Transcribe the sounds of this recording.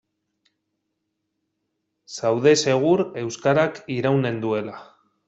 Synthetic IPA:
sawðe̞se̞ɣ̞uɾe̞wskaɾakiɾawne̞nd̪ue̞la

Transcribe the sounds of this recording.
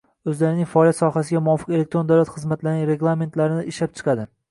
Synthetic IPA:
ɵzlaɾɪnɪŋʲfaɒːljat̪sɒhasɪɡʲamʊwɒfɨ̥qe̞lek̚t̪ɾo̞nd̪awlat̪χɨzmat̪lanɪŋʲɾe̞ɡlˠame̞nt̪laɾɪnɪɪʃlap̚t͡ʃʰɨ̥qʰɑd̪ɪ

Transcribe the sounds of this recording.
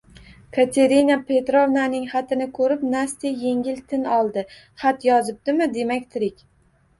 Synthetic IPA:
kʰat̪ʰe̞ɾɪnapʰe̞t̪ɾovnanɪŋχat̪ʰɪnɪkʰɵɾɪpnast̪ije̞ŋʲɪlt̪ʰɪnɒlˠd̪ɪ | χat̪jɒzɪp̚d̪ɪmɪd̪e̞makʲt̪ʰɪɾɪkʲ

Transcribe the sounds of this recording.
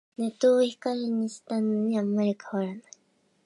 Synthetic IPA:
ne̞t̪oːçi̥kaɾʲiɲ̟iɕi̥t̪anoɲ̟iamaɾʲikʰaβaɾanai̥

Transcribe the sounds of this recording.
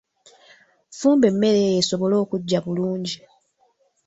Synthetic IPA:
fuːmbe̞mːe̞ɾejeso̞βo̞lo̞ːkuɟːaβuluːɲɟi

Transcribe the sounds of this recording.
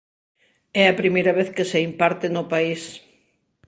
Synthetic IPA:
ɛɐpɾimejɾɐβ̞eθkeseimpaɾt̪ɪnʊpais

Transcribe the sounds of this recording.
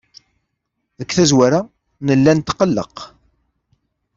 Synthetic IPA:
ðəkːθæzwæɾa | nəlːænt̪qːəlːə̰q

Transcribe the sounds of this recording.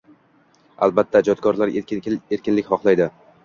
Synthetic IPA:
a̰lˠbat̪ʰːad͡ʒɒt̪̚kʰɒɾlaɾeɾkʲɪnlɪkʲχɒχlˠajd̪ɪ

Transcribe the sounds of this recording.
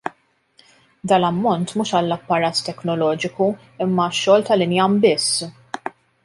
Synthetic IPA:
d̪ɐːlɐmːɔnt̪muːʃɐlːɐpːɐɾɐːt̪ːɛknɔlɔːd͡ʒɪku | ɪmːɐʃːɔːlt̪ɐlɪnjɐmbɪsː

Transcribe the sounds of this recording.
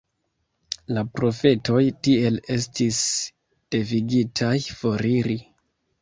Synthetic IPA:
lapɾo̞fe̞to̞jtie̞le̞stʰis | d̥e̞viɡitʰajfo̞ɾiɾi

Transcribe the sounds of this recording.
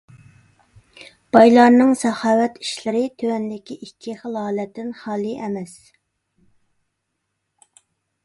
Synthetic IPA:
b̥ɑjlˠɑɾnɨŋsɑhɑːwɛt̪ʰi̥ʃlɪɾɪt̪ʰøwɛnd̪ɪkʲiʔikʲʰːiχəlˠɑːlɛt̪ːɪnχɑːlˠiʔɛmɛs

